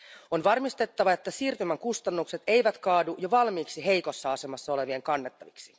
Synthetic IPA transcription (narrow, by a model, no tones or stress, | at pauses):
onʋɑrmist̪e̞t̪ːɑʋɑet̪ːæsiːrt̪ymæŋkust̪ɑnːukse̞t̪e̞jʋæt̪kɑːdujoʋɑlmiːksiɦe̞jko̞sːɑɑse̞mɑsːɑo̞le̞ʋieŋkɑnːet̪ːɑʋiksi̥